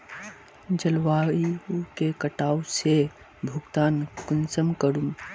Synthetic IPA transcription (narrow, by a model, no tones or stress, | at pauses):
d͡ʒəlwaːiukekəʈaːuse | bʱuɡt̪aːnkʊnsəmkəɾum